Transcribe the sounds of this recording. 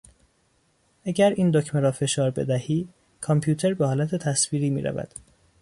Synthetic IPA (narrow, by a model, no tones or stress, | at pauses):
ʔæɟæɾiːnd̪ocʰmeɾɒːfe̞ʃɒːɾbe̞̰d̪æhiː | kʰɒmpʰjuːt̪ʰe̞ɾbehɒːlæt̪ʰe̞t̪ʰæsviːɾiːmḭːɾʔæ̰væ̰d̪̥